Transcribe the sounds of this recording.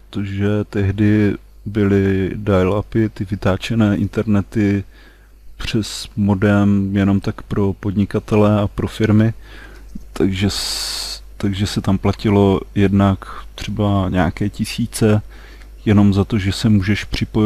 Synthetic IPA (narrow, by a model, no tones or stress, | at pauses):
t̪oʒɛt̪ɛɦdɪ | bɪlɪdajlapɪt̪ɪvɪt̪aːt͡ʃɛnɛːʔɪnt̪ɛɾnɛt̪ɪ | pr̝̥ɛsmodɛmjɛno̞mt̪akpɾo̞po̞dɲɪkat̪ɛlɛapɾo̞fɪɾmɪ | t̪ʰaɡʒɛs | t̪aɡʒɛsɛt̪amplacɪlo̞jɛdnakt̪r̝̥ɛbaɲa̰ːkɛːcɪsiːt͡sɛ | jɛno̞mzat̪o̞ʒɛsɛmuːʒɛʃpr̝̥ɪpoj